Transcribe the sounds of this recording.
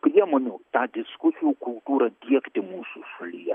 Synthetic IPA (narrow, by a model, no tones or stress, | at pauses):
pʲɾʲiɛmoːnʲʊt̪ɑːd̪ʲɪskʊsʲɪjukʊlˠt̪uːɾɐd̪ʲiɛkt̪ʲɪmuːsuʃʊlʲɪjɛ